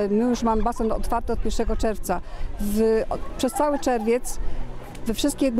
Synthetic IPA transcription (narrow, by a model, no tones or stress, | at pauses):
mɘjuʂmamɘbasɛnɔ̰t̪faɾt̪ɘɔt̪̚pʲjɛɾʂɛɡɔt͡ʂɛɾft̪savpʂɛst̪sawɘt͡ʂɛɾvʲjɛt̪s | vɛfʂɘst̪̚kʲɛd̪n